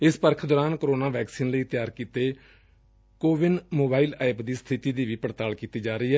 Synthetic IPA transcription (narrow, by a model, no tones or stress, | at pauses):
ɪspəɾkʰd̪ɔːɾaːnkəɾoːnaːʋɛːksiːnləiːt̪ɪjaːɾkiːt̪eː | koːʋɪnmoːbaːiːlɛːpd̪iːst̪ʰɪt̪iːd̪iːʋiːpəɽt̪aːlkiːt̪iːd͡ʒaːɾəiːɦɛː